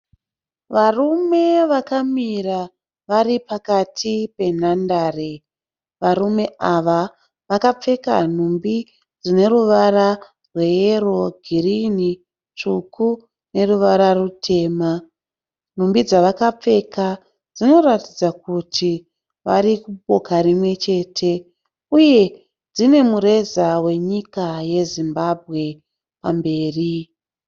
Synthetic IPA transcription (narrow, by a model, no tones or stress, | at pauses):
ʋarume̞ʋakamira | ʋaɾipakatʰipe̞n̤andaːre | ʋaɾume̞ʔaʋa | ʋakap͡fe̞ka̰n̤umbi | d͡zine̞ɾuʋara | rwe̞jero̞ɡʱirini | t͡ʂukʰu | ne̞ruʋaɾarutʰe̞ːma | n̤umbid͡zaʋakap͡fe̞ka | d͡zino̞ratid͡zakutʰi | ʋaɾikubo̞kaɾimwe̞t͡ʃe̞ːtʰe̞ | uje̞ | d͡zine̞muɾe̞zawe̞ɲikaje̞zimbabʱɣe̞ | pambe̞ːri